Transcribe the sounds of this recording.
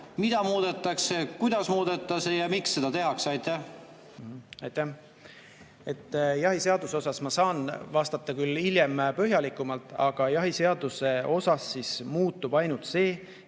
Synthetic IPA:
mid̪̥ɑmuːd̪̥et̪ːˑɑksekujd̪̥ɑsmuːd̪̥et̪ːˑɑsejɑmiksse̞d̪̥ɑt̪e̞ɦɑksɑjt̪ːæh | ɑjt̪ːæh | e̞t̪ːˑjɑɦise̞ɑd̪̥uso̞sɑsmɑsɑːnvɑst̪ɑt̪ːˑɑkylːilje̞mpøɦjɑlikːˑumɑlt̪ːˑɑ̰ɡ̥ɑjɑɦise̞ɑd̪̥use̞o̞sɑsːismuːt̪ːˑub̥ɑjnult̪se̞ː

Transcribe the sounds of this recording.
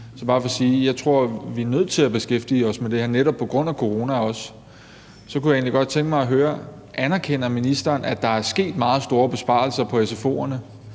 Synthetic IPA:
sɒ̽b̥ɑ̈ːfɒ̽siːjɑ̈ɪt͡sʰʁo̝ɐ̰ʋiænøð̞̰ˠt͡sʰe̝læb̥e̝sɡ̥efd̥iːɒ̽smed̥e̝heɐ̰neɾɒ̽b̥̚pʰɒ̽ɡ̥ʁɔ̽n̰ækʰo̝ʁo̝ːnæɒ̽s | sɒ̽kujɑe̝ːnliɡ̥ɒ̽d̥̚t͡sʰeŋɡ̥mɑ̈ɪɒɦøːɐ | ʔænɐkʰen̰ɐminisd̥ɐːnæd̥ɑ̈æɐsɡ̥e̝̰ːd̥mɑ̈ːð̩ˠsd̥o̝ːɐb̥e̝sb̥ɑ̰̈l̩sɐpʰɒ̽esefo̝̰ːɐnə

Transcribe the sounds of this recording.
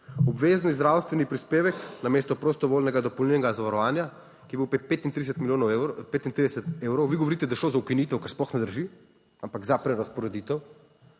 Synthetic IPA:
ɔbʋeːznizd̪ɾawst̪ʋɛnipɾispeːʋɛknameːst̪ɔpɾost̪ɔʋoːlnɛɡad̪ɔpowlninɛɡazaʋaɾɔʋaːnja | kiɛbiwpet̪̚pet̪int̪ɾid̪ɛsɛt̪miljoːnpeːt̪int̪ɾid̪ɛsɛt̪eːwɾɔwʋiɡoʋoɾit̪ɛd̪ajʃloːzaukinit̪ɛwkaɾsplɔxnɛd̪əɾʒi | ampaɡzapɾɛɾaspɔɾɛd̪iːt̪ɛw

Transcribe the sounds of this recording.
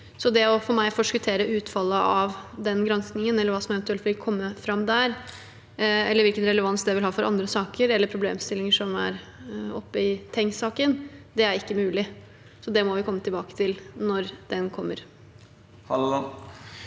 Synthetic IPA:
sɔd̪ɛɔfɔɾmæɪfɔʂkʉt̪ʰeːɾəʉːt̪fɑlːəʔɑʋd̪ɛnɡɾɛnsknɪŋənɛlːəɾʋɑːsɔmɛʋɛnt̪ʉɛlt̪ʋlɪkkʰɔmːəfɾɑmd̪æɾ | ɛləɾʋɪlkənɾɛləʋɑnsd̪ɛʋɪlhɑːfɔɾɑ̰nd̪ɾəsɑːkəɾɛlːəɾpʰɾʊblḛːmst̪ɪlɪŋəʂɔmæ̰ɾ | ɔpːəɪt̪ʰɛŋsɑːkənd̪ɛæɾɪkːəmʉːlɪ | sɔd̪ɛmɔʋɪkʰɔmːət̪ʰɪlbɑːkə̥t̪ʰɪlnɔɾd̪̥ɛnkʰɔmːəɾ | h

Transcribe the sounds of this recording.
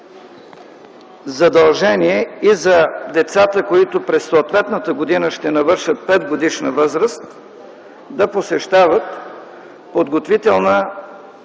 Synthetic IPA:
zɐd̪ɐlˠʒɛniɛizɐd̪ɛt̪sat̪əkoit̪ʊpɾɛsːoːt̪vɛt̪nət̪əɡod̪inəʃt̪ɛnɐvɤɾʃət̪̚pɛd̪ɡod̪iʃnəvɤzɾəst̪ | d̪ɐposɛʃt̪avət̪ | pod̪ɡot̪vit̪ɛlˠnə

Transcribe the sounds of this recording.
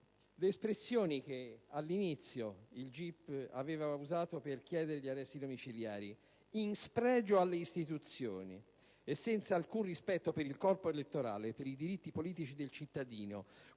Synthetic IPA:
leːspɾesːjoːnik̟ealːinit̪sːjoild͡ʒipːa̰vɛːvauzaːt̪operk̟jɛːd̪eɾeʎiarːɛsːid̪omit͡ʃilja̰ːɾi | inspɾɛːd͡ʒoalːeist̪it̪ut̪sːjo̰ːnḭ | esːɛnt̪saːlkunrispɛt̪ːopeɾilkɔrpoelet̪ːoɾa̰ːlepeɾid̪iɾit̪ːipoliːt̪it͡ʃid̪elt͡ʃit̪ːad̪iːno̰

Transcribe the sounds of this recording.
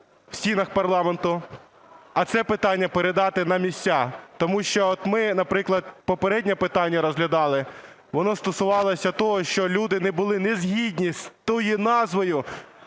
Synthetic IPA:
w̥sʲinɐxpɐrlˠɑment̪ʊ | ɐt̪sɛpɪt̪ɑnʲːɐpeɾed̪ɑt̪ɪnɐmʲisʲt͡sʲat̪ɔmuʃt͡ʃɔɔt̪mɪnɐpɾɪklˠɐd̪̚pɔpeɾɛdʲnʲɛpɪt̪ɑnʲːɐɾɔzɦlʲɐd̪ɑlˠɪ | ʋɔnɔst̪ɔsʊʋɑlˠɔsʲɐt̪ɔɦɔʃt͡ʃɔlʲud̪ɪnɛbʊlˠɪnezʲɦʲid̪ʲnʲist̪ɔjinɑzʋɔjʊ

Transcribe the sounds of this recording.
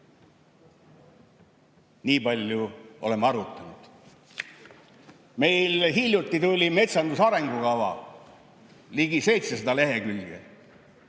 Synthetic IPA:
niːpɑlʲjuʔo̞̰le̞mːɑɾut̪ːˑɑnud̪̥ | me̞jlɦilʲjut̪ːˑit̪ulʲime̞t̪sɑnd̪usɑɾe̞ŋɡ̥ukɑvɑ̰ | liɡise̞jt̪sesed̪ɑle̞ɦe̞kylɡḛ

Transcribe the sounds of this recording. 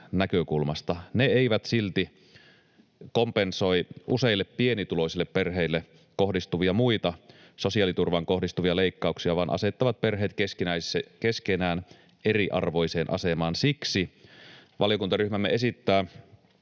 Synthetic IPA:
nækøkulmɑst̪ɑneeiʋæt̪silt̪i | kompenso̞iʔuseilːeppie̞nit̪ulo̞isilːepperɦeilːe | ko̞hdist̪uʋiɑmuit̪ɑ | so̞siɑːˑlit̪urʋɑŋkohdist̪uʋiɑleikːɑuksiɑʋɑːnʔɑ̰se̞t̪ːɑʋɑt̪̚perɦeːt̪kesinækeskenæːn | eriʔɑ̰rʋo̞jseːnʔɑ̰semɑːnsiksi | ʋɑlijo̞kunt̪ɑryhmæmːḛe̞sit̪ːæː

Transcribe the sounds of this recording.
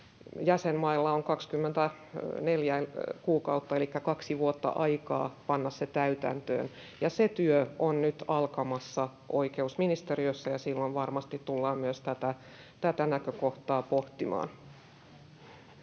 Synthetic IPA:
jæsemmɑilːɑoŋkɑkskymːent̪æ | neljækuːkɑut̪ːɑelikːækɑksiʋuot̪ːɑ̰ʔɑikɑ̰ːpɑnːɑsset̪æyt̪æ̰nt̪ø̰ːn | jɑset̪yøʔonnyt̪ɑlkɑmɑsːɑ | ʔo̰ikeusminist̪eriøsːɑjɑsilːonʋɑrmɑst̪it̪t̪ulːɑːmmyøst̪æt̪æ | t̪æt̪ænækøkoht̪ɑːpoht̪imɑ̰ːn

